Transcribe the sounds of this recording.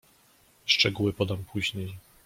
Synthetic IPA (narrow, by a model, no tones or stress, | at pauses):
ʂt͡ʂɛɡuwɘpɔd̪ampʰuʑɲej